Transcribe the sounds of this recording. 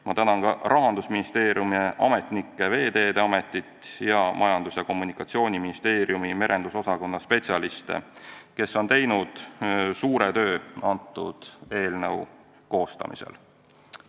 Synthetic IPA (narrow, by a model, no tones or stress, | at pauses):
mɑt̪ænɑnkɑɾɑɦɑnd̪usminist̪e̞ːɾijumieʔɑme̞t̪nikˑːe̞ve̞ːd̪e̞ːd̪eɑme̞t̪ːˑit̪ˑjɑmʔɑjɑnd̪̥usjɑko̞mːunikːˑɑt̪sio̞ːnʲiminist̪e̞ːɾjumime̞ɾʔe̞nd̪̥uso̞sɑko̞nːɑspe̞tsiɑlist̪ḛke̞sːo̞nt̪e̞jnud̪̥suːɾe̞t̪ø̞ːɑnt̪ːˑṵd̪̥e̞ːlnəw | ko̞ːst̪ɑ̰mḭsḛl